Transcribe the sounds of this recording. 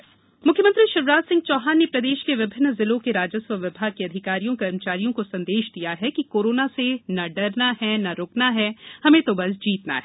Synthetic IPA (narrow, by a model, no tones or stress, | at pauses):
mʊkʰjəmɐ̃nt̪ɾiʃɪɾʋɾaːt̪sɪ̃ŋɡ̚t͡ʃɔːɦaːnːepɾɐd̪eːʃkeʋɪbʱɪnːzɪlõkeɾaːd͡ʒəswəʋɪbʱaːɡ̚keɐd̪ʱɪkaːɾijõkɐɾmət͡ʃaːɾijõkosɐ̃nd̪eːʃd̪ijaɦɛkikoːɾoːnasenɐɖɐɾnaɦɛnɐɾoːknaɦɛːhɐmẽt̪obɐsd͡ʒiːt̪na̰ɦɛː